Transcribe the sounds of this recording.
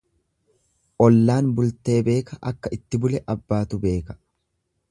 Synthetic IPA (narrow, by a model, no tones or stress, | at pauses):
ʔɔlːaːnbʊlt̪e̞ːbe̞ːkɐʔɐkːɐʔɪt̪ːɪbʊlɛʔɐbːaːt̪ʊbe̞ːkɐ̥